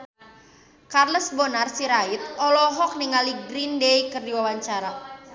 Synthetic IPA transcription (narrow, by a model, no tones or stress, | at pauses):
karlɔsbɔnarsiɾait̪̚ɔlɔɦɔk̚niŋaliɡɾindejkərdiwawaɲt͡ʃaɾa